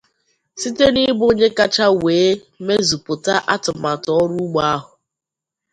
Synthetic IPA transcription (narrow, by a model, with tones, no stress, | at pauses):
si˦te˦ni˦bo˦ɲe˦ka˦t͡ʃa˦weː˨˦ | me˦zu˨pʊ˨ta˦ʔa˦tʊ˨ma˨tɔ˦ɾu˦ɡ͡ba˦ɦʊ˨